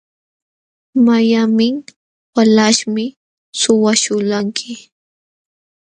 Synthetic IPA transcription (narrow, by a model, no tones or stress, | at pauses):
majamɪ | walaʃmɪ | sʊwaʃʊlaŋkʰɪ